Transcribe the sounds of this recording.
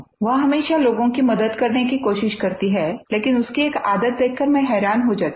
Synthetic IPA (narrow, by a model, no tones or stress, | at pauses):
ʋɐɦɦɐmeːʃaloːɡõkimɐd̪əd̪kɐɾnekikoːʃɪʃkɐɾt̪iɦɛːleːkɪnʊskieːkaːd̪ət̪̚d̪eːkʰːəɾmẽɦɛːɾaːnɦod͡ʒaːt̪ː